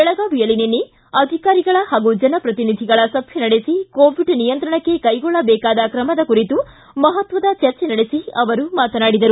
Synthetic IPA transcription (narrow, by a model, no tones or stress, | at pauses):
bɛɭɐɡaːʋijɐɭinenːi | ɐd̪ʱikaːɾiɡɐɭɐhaːɡud͡ʒɐnɐpɾɐt̪inid̪ʱiɡɐɭɐsɐbʱjɐnɐɽesikoːʋiɖnijɐnt̪ɾɐɳɐkːe̞kɐjɡɔɭːɐbɛːkaːd̪ɐkɾɐmɐd̪ɐkuɾit̪u | mɐɦɐt̪ʋɐd̪ɐt͡ʃɐɾt͡ʃenɐɽesiɐʋɐɾumaːt̪ɐnaːɽid̪ɐɾu